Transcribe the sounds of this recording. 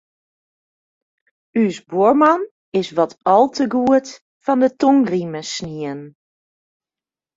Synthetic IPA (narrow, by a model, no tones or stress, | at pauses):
ysboɹmɑn | ɪsʋɔtʰɔlˠtəɡuət | fɔndətoŋriməsniən